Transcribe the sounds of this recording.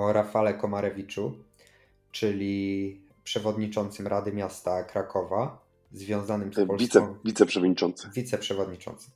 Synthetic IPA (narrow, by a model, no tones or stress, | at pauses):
ɔɾafalɛkɔmaɾɛvʲit͡ʂu | t͡ʂɘlʲi | pʂɛvɔd̪ɲit͡ʂɔnt̪sɘmɾʔad̪ɘmʲjast̪akɾakʰɔva | zvʲjɔ̃w̃zanɘmspɔlvʲiksɛɔ̃w̃vʲit̪sɛpʂɛvɔd̪ɲit͡ʂɔnt̪sɘvʲit̪sɛpʂɛvɔd̪ɲit͡ʂɔ̰̃nt̪sɘ̥m